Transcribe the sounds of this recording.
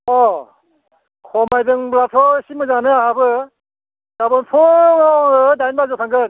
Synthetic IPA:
ɔ | kʰɔmajdɯŋblatʰɔsimɯzanɯahabɯ | d̥abɔnpʰɔŋɔɯdajnbazɔtʰaŋɡɯn

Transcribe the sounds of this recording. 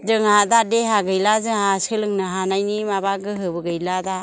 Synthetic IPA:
zɯŋɦadadeɦaɡɯjlazɯŋɦasɯlɯŋnɯɦanajnimabaɡɯɦɯbɯɡɯjlada

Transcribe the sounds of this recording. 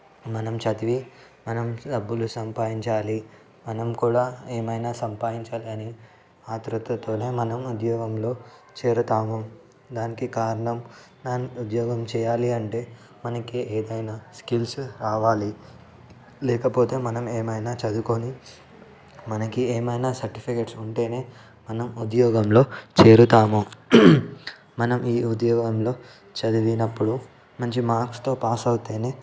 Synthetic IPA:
mɐnɐmt͡ʃɐt̪iʋi | mɐnɐmɖɐbːulusɐmpaːjiɲt͡ʃaːli | mɐnɐmkuːɽaːeːmɐjnaːsɐmpaːjiɲt͡ʃaːliɐni | aːt̪ɾut̪ɐt̪o̞ːne̞ːmɐnɐmud̪jɔːɡɐmlo̞ːt͡ʃɛːɾɐt̪aːmum | d̪aːnikikaːɾɐɳɐm | naːniud̪jɔːɡɐmt͡ʃɛːjaːliɐɳʈe̞ː | mɐnɐkieːd̪ɐjnaːskilsɾaːʋaːli | lɛːkɐpo̞ːt̪e̞ːmɐnɐmeːmɐjnaːt͡ʃɐd̪ukoni | mɐnɐkieːmɐjnaːsɐɾʈipʰikeʈsuɳʈe̞ːne̞ː | mɐnɐmud̪jɔːɡɐmlo̞ːt͡ʃe̞ːɾut̪aːmo | mɐnɐmiːud̪jɔːɡɐmlo̞ː | t͡ʃɐd̪uʋinɐpːuɽu | mɐɲt͡ʃimaːɾkst̪o̞ːpaːsɐwut̪e̞ːne̞ː

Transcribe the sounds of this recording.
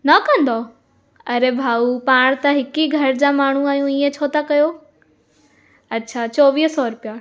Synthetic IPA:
nɐkɐ̃nd̪o | ɐɾebʱaːupaːɽ̃t̪ɐɦɪkiɡʱɐɾd͡ʑamaːɳ̤ũaːɦijũiːẽt͡ɕʰoːt̪akɐjo | ɐtːɕʰat͡ɕɔːʋiːɦsɔɾʊpija

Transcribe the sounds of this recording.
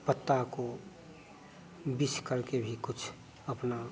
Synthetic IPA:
pət̪ːako | biskəɾkebʱikʊt͡ʃʰ | əpna

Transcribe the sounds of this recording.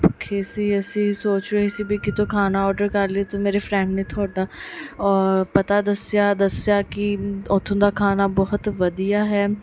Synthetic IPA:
pʊkʰeːsiəsĩːsoːt͡ʃɾɐɦisibʱikit̪okʰaːnaɔːɾɖəɾkɐɾliet̪omeːɾefɾɛ̃ɳɖnet̪ʰoːɖaːɔːɾpɐt̪ad̪əsjaːd̪əsjaːkiʊt̪ʰːõːd̪aːkʰaːnabɔɦʊt̪ʋɐd̪ijaːɦɛː

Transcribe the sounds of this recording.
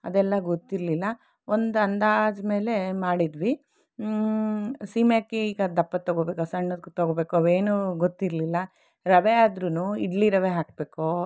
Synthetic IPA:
ɐ̰d̪ɛlːɐɡot̪ːiɾlilːɐ | ond̪uɐnd̪aːd͡ʒme̞ːle̞maːɽid̪ʋi | siːmjakːeiːɡɐd̪ɐpːɐt̪ːɐɡobe̞ːkɐsɐɳːɐt̪ɐɡobe̞ːkuɐʋeːnuɡot̪ːiɾlilːɐ | ɾɐʋeaːd̪ɾunuːiɖliɾɐʋeɦaːk̚beːko

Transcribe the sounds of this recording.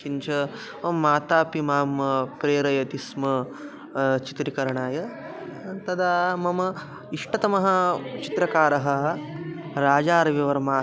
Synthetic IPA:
kint͡ʃʰɐ | ɐmːaːt̪aːpimaːmɐpɾeːɾɐjɐt̪ismɐ | t͡ʃi̥t̪ɾikɐɾɐɳaːjɐ | t̪ɐd̪aːmɐmɐ | iʂʈɐt̪ɐmɐɦɐ̆t͡ʃit̪ɾɐkaːɾɐɦɐ̆ | ɾaːd͡ʒaːɾɐʋɐʋɐɾmaː

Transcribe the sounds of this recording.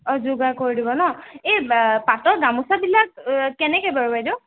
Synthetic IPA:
ɔzuɡakoɹidibɔnɔepatɔɡamusabilak̚kːɛnɛkɛbaɹubajdo

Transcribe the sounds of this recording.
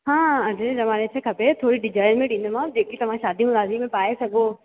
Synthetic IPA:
ɦãːɐɾezɐʋaːnet͡ʃʰekʰɐpet̪ʰoːɾiɖɪd͡ʒaːɪnmẽɖĩːnd̪emãːd͡ʑeːkit̪ɐʋ̤ãʃaːd̪ʱiũɾaːzimẽpaːesɐɡoː

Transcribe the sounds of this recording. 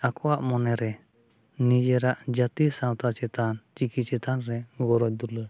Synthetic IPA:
akʰɔwaʔmɔnɛɾɛ | nid͡ʒɛɾaʔd͡ʒat̪isãwt̪at͡ʃɛt̪ant͡ʃikit͡ʃɛt̪ʰanɾɛɡɔɾɔc̚d̪ulə

